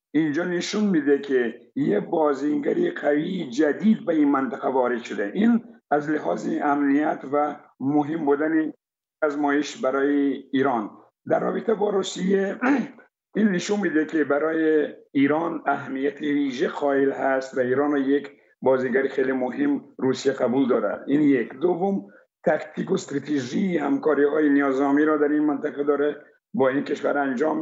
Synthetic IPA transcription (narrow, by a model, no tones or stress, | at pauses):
ind͡ʒɔnɪʃunmid̪ekʰijebɒziŋɡaɾiqʰavid͡ʒad̪id̪̚bainmant̪aqavɒɾɪd̪ʃʊd̪eʔinazlɪɦɑziamnijat̪va | mʊɦimbud̪ani | azmɔjiʃbaɾɔːjiːɾɑn | d̪arːɒ̰bit̪ʰabɔɾusije | inːɪʃunmid̪ekebæɾɔːjeiɾɑnaɦmːijat̪ʰiviʒeqʰɒilhæst̪vaiːɾɑnjek | bɒziɡæɾixelimʊɦimɾusijaqabuld̪ɒɾa̰d̪injekd̪ovːʊm | t̪ʰakt̪ʰikost̪ɾat̪eʒiihamkɒɾihɑːjinijɒzɒmiɾɔd̪æɾinmant̪aqad̪ɔɾɛ | bɔinkeʃʋa̰ɾand͡ʒɑm